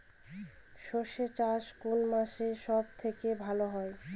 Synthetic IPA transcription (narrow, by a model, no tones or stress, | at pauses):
ʃoʃet͡ɕaʃkunmaʃeʃɔb̚t̪ʰekebʱaloɦɔe